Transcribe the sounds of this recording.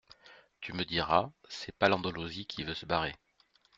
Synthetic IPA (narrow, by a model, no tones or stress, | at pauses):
t̪ʰyməd̪iʁasɛpalɑ̃d̪ɔlozikʰʲivøsəbaʁe